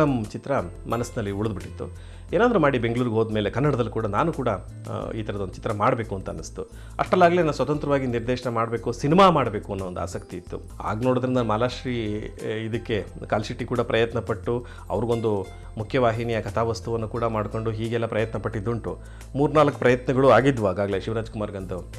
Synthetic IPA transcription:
ɐmt͡ʃit̪ɾɐ | mɐnɐsnɐlːiuɭd̪biʈːit̪ːṵ | eːnaːd̪ɾumaːɽibe̞ŋɡɭuːɾɡeɦoːd̪mele̞kɐnːɐɽɐd̪ɐlːikuːɽɐnaːnukuːɽɐ | iːt̪ʰɐɾɐd̪o̞ndut͡ʃi̥t̪ɾɐmaːɽbe̞ːkuɐnt̪uɐnːist̪u | ɐ̰ʂʈɐlːaːɡlenaːnusʋɐt̪ɐnt̪ɾɐʋaːɡiniɾd̪eːʂɐnemaːɽbeːkusinimaːmaːɽbe̞ːkuɐnːuond̪ua̰ːsɐkt̪iit̪ːṵ | a̰ːɡnoːɽod̪ɐɾind̪ɐnmaːlaːʃɾiːid̪ɐkːe̞kaːlsiʈːikuːɽɐpɾɐjɐt̪nɐpɐʈːu | ɐ̰ʋɐɾɡo̞nd̪u | mukʰjɐʋaːɦinijɐkɐt̪ʰaːʋɐst̪uʋɐnːukuːɽɐmaːɽko̞ɳɖuɦiːɡɛlːɐpɾɐjɐt̪nɐpɐʈːid̪ːuɳʈu | muːɾnaːlɐkːu̥pɾɐjɐt̪nɐɡɐɭuaːɡid̪ʋuaːɡaːɡɐle̞ʃiʋɐɾaːd͡ʒkumaːɾɡɐnd̪u

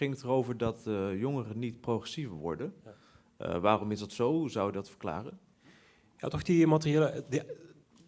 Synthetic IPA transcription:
ɪŋətərowvəɹdɑtjoŋərənitprowχɛsivəɹʋɔ̰ɹdən̰ | ʋaːrɔmɪzdɑtsowzɑwɪk̚dɑtfə̥ɹkla̰ːrən | ja̰ːtɔχdimatrieːləd

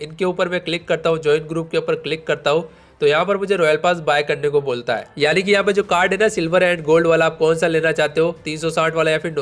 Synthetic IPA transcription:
ɪnkeuːpəɾmɛ̃klɪkːɐɾt̪aɦũd͡ʒɔːɪnɡɾuːp̚keuːpəɾklɪkːɐɾt̪aɦũ | t̪ojɐɦãpɐɾmʊd͡ʒʱeɾɔːjəlpaːsbaːjkɐɾnekoboːlt̪aɦɛ̰ːjaːnik̬ijɐɦãpẽd͡ʒoːkaːɾɖɦɛnasɪlʋəɾɛ̃ːɳɖɡoːlɖʋaːlaːp̚kɔːnsaleːnat͡ʃaːɦt̪eɦot̪iːnsɔsaːʈʰʋaːlajãfɪɾn

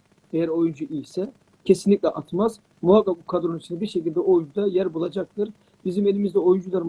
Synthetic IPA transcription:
ejæɾo̞jund͡ʒuʔijsɛ | cʰe̞sinlʲic̚ʲlʲɛʔat̪maz̥ | muɦakːap̚bukʰad̪ɾonit͡ʃʰinɛbiɾʃe̞cilʲd̪ɛo̞jund͡ʒud̪ajæɾbulˠad͡ʒak̚t̪ʰɯɾ | bizime̞lʲimizd̪ɛo̞jund͡ʒulˠaɾ

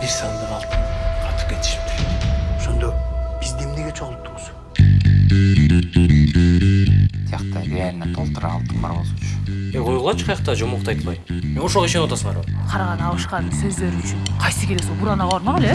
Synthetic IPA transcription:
d̪ʲesɑnd̪umɑlˠt̪ʰɯnqʰɑt̪ɯ̥p̚kʲe̞t̪i̥ʃi̥p̚t̪ɪɾoʃo̞nd̪ob̥izd̪emneɡet͡ʃʰoʁlˠu̥p̚t̪ːuɴʊz | t̪ʰijɑqt̪ɑɾʲealʲnat̪ʰo̞lˠt̪uɾɑ̰ːlˠt̪ənbɑɾmɑut͡ʃeqʰojulˠʁɑt͡ʃʰqʰɑjɑq̚t̪ɑd͡ʒomoqt̪ɑjt̪lˠbɑjmenoʃolˠiʃʲenot̪ɑsəmɑ̰ɾoqʰɑɾɑʁɑnɯɑlˠɯʃqɑnsɵzd̪e̞ɾyt͡ʃynqʰɑjsɨkʰʲe̞lesobuɾɑnɑʁɑβɑɾmɑʁele

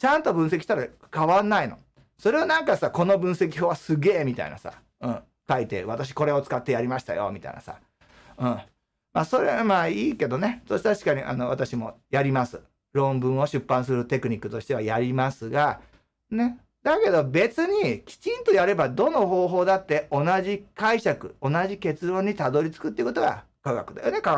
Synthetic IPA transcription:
t͡ɕãnt̪o̞bɯ̟̃sekʲiɕt̪aɾa | kaβanːaino̞̰ | so̞ɾe̞onãŋkasako̞no̞bɯ̃ɰ̃se̞kʲihoːβasɨɡe̞ːmʲit̪a̰ḭna̰sa̰ | ɯ̟̃ː | kait̪e̞̰βat̪aɕ̬i̥ko̞ɾe̞o̞t͡sɨ̥kat̪ːe̞jaɾʲimaɕi̥t̪a̰jo̞̰mʲit̪a̰ḭnasa̰ | ɯ̟̃ː | maːso̞ɾeamaːiːke̞d̪o̞ne̞sot̪aɕi̥kaɲ̟iʔa̰no̞βat̪aɕimo̞̰jaɾʲimasɨ | ɾõ̞mbɯ̟̃ɰ̃o̞ɕɨpːãɰ̃s̬ɨɾɯ̟t̪e̞kɯ̟ɲ̟ikːɯ̟̥t̪o̞ɕi̥t̪e̞βajaɾʲimasɨɡa | ne̞ | d̪ake̞d̪o̞be̞t͡sɨɲ̟ikʲi̥t͡ɕĩnt̪o̞jaɾe̞bad̪o̞no̞ɦo̞ːɦo̞ːd̪at̪ːe̞ʔo̞naʑikaiɕakɯ̟̰o̞naʑike̞t͡sɨɾõ̞ɲ̟ːit̪ad̪o̞ɾʲit͡sɨ̥kɯt̪ːeiɯ̟ko̞t̪o̞ɡa̰ | kaɡa̰kɯ̟d̪a̰jone̞ka

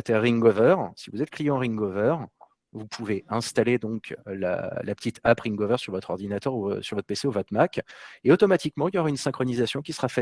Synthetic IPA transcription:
at̪ɛʁiŋɡɔvœʁsivuzɛt̪̚klijɑ̃ʁĩŋɡɔvœʁ | vupʰuveɛ̃st̪aled̪ɔ̃kla̰lapə̥t̪it̪apʁĩŋɡovœʁsyʁvɔt̪χɔʁd̪inat̪œʁusyʁvɔt̪χpeseuvɔt̪χmakʲeot̪ɔmat̪ikmɑ̃iljɔʁaynsɛ̃kχɔnizasjɔ̃kʲisə̥ʁafɛ

